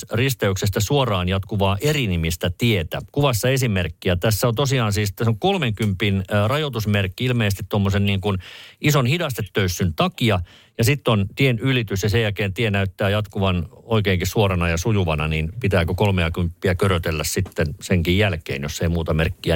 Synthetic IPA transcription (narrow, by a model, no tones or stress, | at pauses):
rist̪eyksest̪æsuorɑːnjɑt̪kuʋɑːʔerinimist̪æt̪iet̪æ̰kuʋɑsːɑesimerkːiæt̪æsːæont̪osiɑːnsiːst̪æsoŋkolmeŋkympːˑinrɑjot̪usmerkːiilmeːsest̪it̪omːosenniːŋkunisonhidɑst̪et̪ːøysːynt̪ɑkiɑ | jɑsit̪ːont̪ienylit̪ysjɑsejælkeːnt̪ienæyt̪ːæːjɑt̪kuʋɑnoikeːŋkissuorɑnɑjɑsujuʋɑnɑniːnpit̪æːkøkolmeɑkympːiækøɾøt̪elːæssit̪ːenseŋkijjælkḛːnjosːeimuːt̪ɑmerkːiæ